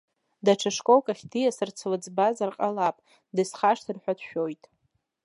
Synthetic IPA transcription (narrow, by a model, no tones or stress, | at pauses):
daʈ͡ʂʰaʂkʼowkʼaχʲdʰijasɨrt͡sʰlɨd͡zbazarqʼalapʼ | dɨsχaʂtʰɨrħʷᶣadʃᶣo̞jtʼ